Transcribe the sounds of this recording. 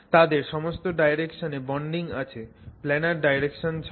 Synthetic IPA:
t̪ad̪eɾʃɔmost̪oɖajɾekʃonebɔɳɖiŋat͡ɕʰeplɛnaɾɖajɾekʃont͡ɕʰ

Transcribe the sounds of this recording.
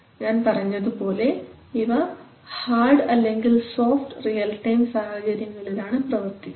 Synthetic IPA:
ɲaːnpɐrɐɲːɐðupo̞ːle̞ | iʋɐ | haːrɖɐlːe̞ŋɡilso̞ːfʈrijɐlʈɐjmsaːhɐt͡ɕɐɾjɐŋːɐɭiɾaːɳɨprɐʋɐrt̪i

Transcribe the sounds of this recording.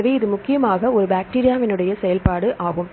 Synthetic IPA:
ɐʋeːɪðɯmʊkːɪjɐmaːɣɐɔɾɯbaːk̚ʈiːɾɪjaːʋɪnɯɽɐjɐsɛjɐlpaːɽɯʔaːɣɯm

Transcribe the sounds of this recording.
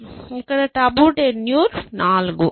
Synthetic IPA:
ikːɐɽɐʈɐːbuːʈenjuːɾnaːlɡu

